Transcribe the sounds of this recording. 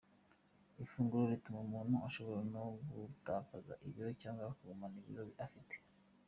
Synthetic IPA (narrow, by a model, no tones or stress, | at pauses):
ifuːŋɡuɾoɾitumaumuːn̥huaʃo̞βoɾanoɡutaːkaza̰ʔiβiɾocaːŋɡakuɡomaniβḭɾoβiʔafite̥